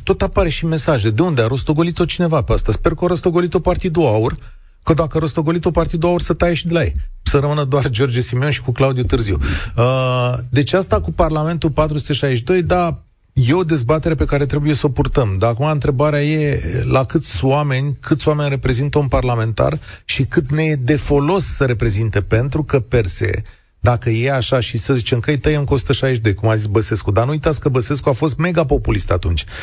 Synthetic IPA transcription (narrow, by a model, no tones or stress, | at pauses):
t̪ot̪apaɾe̞ʃime̞saʒe̞d̪e̞und̪eaɾo̞st̪o̞ɡo̞lit̪o̞t͡ʃine̞vapeast̪aspe̞rkəoɾost̪o̞ɡo̞lit̪opart̪id̪uaur | kəd̪akəaɾost̪o̞ɡo̞lit̪o̞part̪id̪uaursət̪aje̞ʃid̪e̞lajesəɾəmɨnəd̪oard͡ʒo̞rd͡ʒesimewnʃi̥kuklaud̪ijut̪ɨrziuəd̪e̞t͡ʃeast̪akuparlame̞nt̪upat̪ɾusu̥t̪e̞ʃajeʃid̪o̞jd̪a | je̞o̞d̪e̞zbat̪e̞ɾe̞pe̞kaɾe̞t̪ɾe̞buje̞səo̞purt̪əmd̪aːkumaɨnt̪ɾe̞baɾeaje̞lakɨt̪sʲowame̞nʲkʰɨt̪sʲowame̞nʲre̞pɾe̞zint̪əunparlame̞nt̪a̰rʃikɨt̪ne̞d̪e̞fo̞lo̞sːəɾe̞pɾe̞zint̪e̞pe̞nt̪ɾukəpe̞rse̞̰ | d̪akəje̞aʃaʃisəzit͡ʃeŋkəjt̪əjamkuosu̥t̪əʃajeʃid̪o̞jkumazitsbəse̞skud̪anuujt̪at̪sʲkəbəse̞skuafo̞s̬t̪me̞ɡapo̞pulist̪at̪unt͡ʃʲ